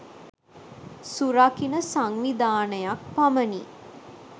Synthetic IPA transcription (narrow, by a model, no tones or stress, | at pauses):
suɾakinəsaŋʋid̪aːnəjak̚paməni